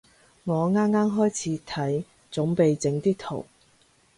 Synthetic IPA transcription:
ŋɔː˨˧ŋaː˥mːaː˥mɦɔː˥jt͡sʰiː˨˧˥t̪ʰɐ˨˥j | t͡sʊ˨˥ŋpe˨jt͡sɪ˨˧˥ŋt̪iː˥k̚t̪ʰo̰˨˩w

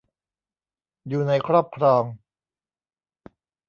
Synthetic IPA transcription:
juː˨˩na˧jkʰɾɔː˥˩p̚kʰɾɔː˧ŋ

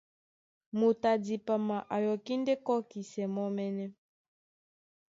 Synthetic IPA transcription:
mu˨ta˨di˨pa˨ma˨ʔa˨jɔ˨ki˦ndɛ˦kɔ˦ki˨sɛ˨mɔ˦mɛ˦nɛ˦

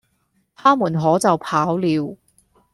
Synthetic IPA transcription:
t̪ʰaː˥muː˨˩nɦɔː˨˥t͡sɐ˨wpʰaː˨˥wliː˨˧w

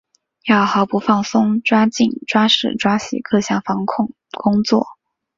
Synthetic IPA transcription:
jɑ˥˩ʊxɑ˧˥ʊpu˧˥fɑ˥˩ŋsʊ˥ŋʈ͡ʂwa˥t͡ɕi˥˩nʈ͡ʂwa˥ʂɻ̩˨˩ʈ͡ʂwa˥ɕḭ˨˩kɤ˥˧ɕjɑ˥˩ŋfɑ˧˥ŋkʰʊ˥˧ŋ | kʊ˥ŋt͡swɔ̰˥˩

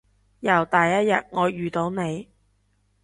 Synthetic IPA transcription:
jɐ˨˩wt̪ɐː˨jːɐ˥t̚jɐ˨t̚ŋɔː˨˧jyː˨˩t̪o˨˧wne˨˧j

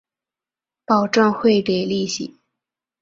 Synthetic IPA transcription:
pɑ˨˩ʊʈ͡ʂɑ˥˧ŋxwe˥˩ɪke˨˩ɪli˥˩ɕḭ˨˩˦

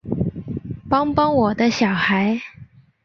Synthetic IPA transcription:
pɑ˥ŋpɑ˥ŋwɔ˨˩d̪ə˦ɕjɑ˨˩ʊxa˧˥ɪ

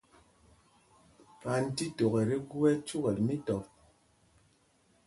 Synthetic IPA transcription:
pa˨n̩˦ti˦to˨ɣɛ˨ɾi˦ɡwɛ˦t͡ʃu˦ɣɛ˨li˨mi˦tɔ˨p

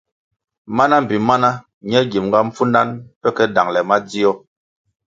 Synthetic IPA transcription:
ma˦na˦m̩˨bi˨ma˦na˦ | ɲɛ˦ɡi˨mŋɡa˦m̩˦fu˦na˦npɛ˦kɛ˦da˨ŋlɛ˨ma˦d͡zi˦ɔ˦

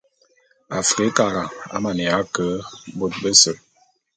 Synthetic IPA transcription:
a˨fɾe˨˦ka˨ɾa˨a̰˦ma˨ne˨a˦kə˨˦bo˦t̚bə˦sə˨

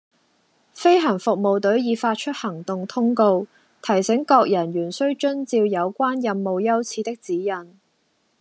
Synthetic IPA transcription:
fe˥jɦɐ˨˩ŋfʊ˨k̚mo˨wt̪ɵ˨˥ɥjiː˨˧faː˧t̚t͡ʃʰɵ˥t̚hɐ˨˩ŋt̪ʊ˨ŋt̪ʰʊ˥ŋko˧w | t̪ʰɐ˨˩jsɪ˨˥ŋkɔː˧k̚jɐ˨˩njyː˨˩nsɵ˥ɥt͡ʃɵ˥nt͡siː˧wjɐ˨˧wkʷaː˥njɐ˧mːo˨wjɐ˥wt͡sʰiː˨˧t̪ɪ˥k̚t͡siː˨˥jɐ˨˩n

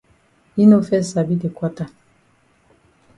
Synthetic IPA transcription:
i˦no˦fɛ˦sa˨bi˦de˨kwa˦ta˦

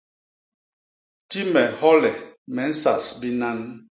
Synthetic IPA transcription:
ti˦mɛ˨hɔ˦lɛ˨mɛ˨˦n̩˦sa̰˨sbi˦na˦n

